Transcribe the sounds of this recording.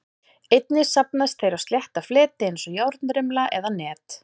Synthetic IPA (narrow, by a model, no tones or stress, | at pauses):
ejt̪̚nɪsap̚naɪst̪θejɾawst̪ljɛht̪aflɛːt̪ɪensɔjawɾt̪nɾɪmlaʔɛðanɛːt̪